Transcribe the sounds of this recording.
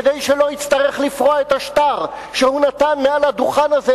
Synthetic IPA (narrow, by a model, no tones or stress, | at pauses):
d̪ejʃelo̞it̪t͡st̪aʁe̞χlifʁoaet̪aʃt̪aʁ | ʃehunat̪anmealhad̪uχanaze